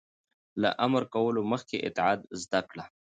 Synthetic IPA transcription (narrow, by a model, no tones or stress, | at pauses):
la̰ʔaməɾkawəloməxkeʔɪ̰t̪ːɪʕɑːd̪zd̪akɽa